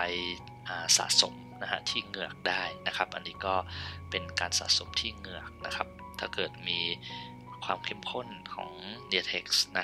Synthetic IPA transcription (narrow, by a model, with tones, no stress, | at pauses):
a˧j | ʔaː˨˩sa̰ː˩˦so˩˦m | na˦˥kʰa̰˦˥t̪ʰiː˥˩ŋɯ˨˩ək̚daː˥˩jna˦˥kʰa˦˥p̚ʔa̰˧nːiː˦˥kɔː˥˩pe˧nkaː˧nsa̰ː˩˦so˨˩˦mt̪ʰiː˥˩ŋɯ˨˩ɐk̚na˦˥kʰa˦˥p̚ | t̪ʰaː˥˩kɤː˨˩t̪̚miː˧ | kʰwaː˧mkʰe˥˩mkʰo˥˩nkʰɔ̰ː˩˦ŋdi˧t̪ʰe˦˥k̚sna˦˥